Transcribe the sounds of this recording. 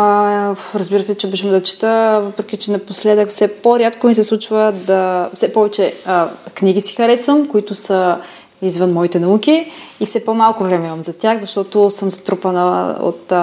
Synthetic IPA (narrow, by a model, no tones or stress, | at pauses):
ɾɐzbiɾəsɛt͡ʃɛbiʃəmd̪ɐt͡ʃi̥t̪əvəpɾɛk̟ʲit͡ʃɛnɐposlɛd̪əkfsɛpoɾʲjat̪komis̬ɛslˠut͡ʃvəd̪ɐfsɛpɔvɛt͡ʃɛkniɡisi̥xɐɾɛsvəmkoit̪ʊsə | izvənmɔit̪ɛnɐuk̟ʲiifsɛpomalˠkʊvɾɛmɛimɐmzɐt̪ʲaxzɐʃt̪ɔt̪osəmzɐt̪ɾupɐnəo̰t̪